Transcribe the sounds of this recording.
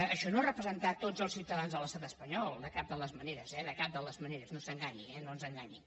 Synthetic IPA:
əʃɔnoarəpɾəzənt̪at̪ːod͡zəlˠsiwt̪əðanzðələst̪at̪əspəɲɔlˠd̪əkap̚d̪ələzməneɾəzɛðəkap̚d̪ələzməneɾəznosəŋɡaɲḭɛnoənzəŋɡaɲi

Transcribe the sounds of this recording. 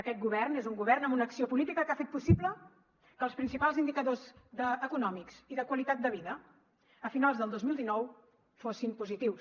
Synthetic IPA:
əkɛt̪̚ɡuβɛrnezuŋɡuβɛrnəmunəksiopulit̪ikəkafet̪̚pusiblə | kəːlˠspɾinsipalˠzind̪ikəðozd̪əːkunɔmiksiðəkwəlit̪at̪̚d̪əβ̞iðə | əfinalˠzðəlˠd̪ozmilˠd̪inɔw | fosimpuzit̪iws

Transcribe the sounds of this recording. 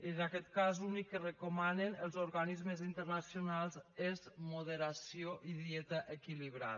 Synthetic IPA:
inakɛt̪kazunikːərəkumanenəlˠzoɾɣanizmezint̪əɾnasionalˠzezmuðəɾasijoʔiðjɛt̪əʔəkiliβɾa̰ð

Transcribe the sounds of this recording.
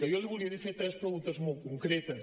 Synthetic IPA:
ɐelɪβulˠiɐðifeɾt̪ɾespɾɣũnt̪ɐzmowkõŋkɾɛt̪ɐ

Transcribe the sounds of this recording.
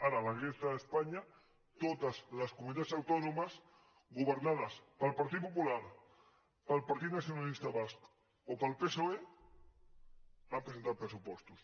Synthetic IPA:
aɾalaɣɾeθaespaɲa | t̪ot̪azlaskumunit̪asawt̪onomas | ɡuβeɾnaðɐspalpaɾt̪it̪̚populaɾ | palpaɾt̪it̪naθjonalist̪aβask | opalpesoe | bampɾesent̪aɾpɾesupɔst̪us

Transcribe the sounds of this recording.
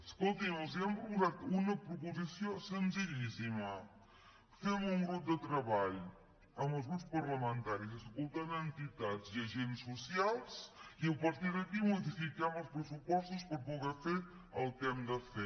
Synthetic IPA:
əskolˠt̪imozɛmbɾubuzat̪unɐpɾupuzisjosənziʎisimɐ | femuŋɡɾup̚d̪ət̪ɾəβaʎ | əməlˠzɣɾupspɐɾləmə̃nt̪aɾizəskulˠt̪ad̪ənt̪it̪aziɐʒensːusialˠsiəpɐɾt̪iɾðəkimuðifikamɐlˠspɾəsupɔst̪uspəɾpuɣefe | əlˠt̪ɛmd̪əfɛ

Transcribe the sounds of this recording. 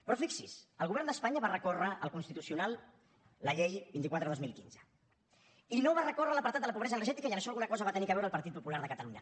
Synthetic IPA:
pɾɔfiksisəlɣuβɛɾnd̪əspaɲəβarəkorəʔəlˠkunst̪it̪usiunalˠ | ləʎejbint̪ikwat̪ɾəðozmilˠkḭnzə | inoβarəkorələpəɾt̪at̪d̪ələpuβɾɛzənərʒɛt̪ikəjənəʃɔlɣunəkɔzəβat̪ənikəβɛwɾəlˠpəɾt̪it̪̚pupulaɾðəkət̪əluɲə

